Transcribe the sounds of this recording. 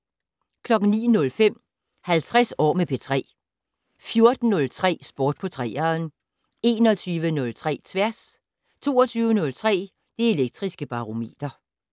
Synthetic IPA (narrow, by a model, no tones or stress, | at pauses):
kʰlɒ̽ɡ̥n̩nḭːnɔ̽lfem̰ | hælt͡sʰʁɛsɒ̰ːmepʰet͡sʰʁɛ̰ː | fjo̝ɐd̥n̩ːɔ̽lt͡sʰʁɛ̰ːsb̥ɔːd̥̚pʰɒ̽t͡sʰʁɛ̰ːɐn | e̝ːnɒ̽t͡sʰyːʋənɔ̽lt͡sʰʁɛ̰ːt͡sʰʋæɐs | t͡sʰo̝̰ːɒt͡sʰyːʊənɔ̽lt͡sʰʁɛ̰ː | d̥ee̝leɡ̥̚d̥ʁisɡ̥əb̥ɑ̈ʁo̝me̝̰ːd̥ɐ